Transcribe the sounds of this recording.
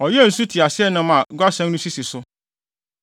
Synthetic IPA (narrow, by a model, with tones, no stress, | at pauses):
ɔ˨jɛ˦˨n̩˨su˦tʰi˨a˨sɪ˦ɛ˦nʊ̃˦mã˨ɡʷa˦sɛ̃˦nnũ˦si˦si˨sʊ˦